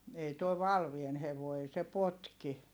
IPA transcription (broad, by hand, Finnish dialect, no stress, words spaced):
ei tuo ʋɑlʋien heʋoˑi̯ ei se potki